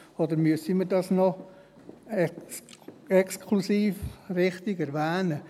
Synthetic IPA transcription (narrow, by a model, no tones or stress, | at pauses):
ɔd̪əɾmyəsimədɑsnɔ | ɛkskʰlusiːfɾɪχt̪ɪɡɛɾʋæːnə